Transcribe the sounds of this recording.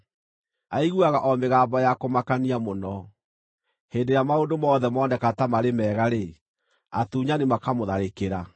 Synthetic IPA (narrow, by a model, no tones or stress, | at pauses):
aiɣuaɣaʔɔmeɣaːmbɔjakomakaniamonɔ | heːndeɾjamaondomɔːðɛmɔːnɛkatamaɾemɛːɣaɾe | atuːɲanemakamoðaɾekeɾa